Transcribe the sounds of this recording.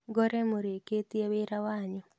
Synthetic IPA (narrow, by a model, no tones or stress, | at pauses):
ɡoɾɛmoɾeket̪iewɪɾawaɲɔ